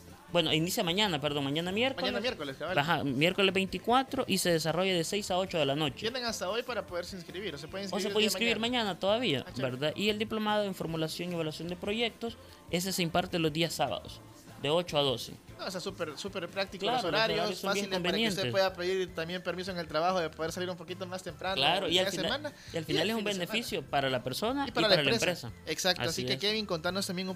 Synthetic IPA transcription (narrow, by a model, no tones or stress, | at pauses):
bwe̞noinisjamaɲanapeɾðo̞ŋmãɲanamje̞ɾkɲoalemeɾkoleskaaahamje̞ɾkolebe̞jnt̪ikwat̪ɾo̞ʔise̞ðe̞s̬aro̞ʝaðe̞se̞jsao̞t͡ʃoðe̞lano̞t͡ʃe̥jeneŋast̪aojpaɾapoðeɾseinskɾiβiɾosepweðeinskosseiweeinskɾiβiɾmãɲanat̪o̞ðaβia̰bbeɾðaʔie̞ld̪iplo̞mað̞oeɱfo̞ɾmulasjo̞ŋieβalwasjo̞nd̪e̞pɾo̞ʝe̞k̚t̪o̞s | e̞s̬e̞se̞impaɾt̪elo̞zd̪iasːaβa̰ðo̰s | d̪e̞o̞t͡ʃo̞aðo̞se̞̰osesupeɾsupeɾpɾak̚t̪ikolaɾosoɾaɾoaossːõbjelombenje̞nesweðapeðiɾt̪ambjempeɾmis̬oeŋelt̪ɾaβaxoðepoðeɾsaliɾumpo̞kit̪omast̪empɾanklaɾoialfisamana | ialfinalesumbene̞fisjo̞paɾalape̞ɾso̞naipaɾalaaɾalaempɾesaeksak̚taoasiekeβiŋkont̪aɾnost̪ambjeŋ